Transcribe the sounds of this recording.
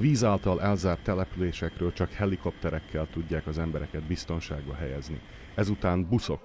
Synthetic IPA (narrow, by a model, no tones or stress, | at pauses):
viːzaːlt̪ɒlʔɛlzaːrt̪ːɛlɛpyleːʃɛkrøːlt͡ʃɒkhɛliko̞p̚t̪ɛɾɛkʰːɛlt̪uɟːaːkɒzɛmbɛɾɛkɛd̪bist̪o̞nʃaːɡbɒɦɛjɛznḭ | ɛzut̪aːnbuso̞